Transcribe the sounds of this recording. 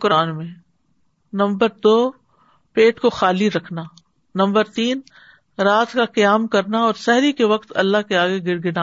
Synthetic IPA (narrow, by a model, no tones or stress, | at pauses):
kʊɾaːnmẽ | nɐ̃mbəɾd̪oː | peːʈkoxaːliɾɐkʰna | nɐ̃mbəɾt̪iːn | ɾaːt̪kaqijaːmkɐɾnaɔːɾsɛɦɾikeʋɐqt̪ɐlːaɦkeaːɡeɡɪɾɡɪna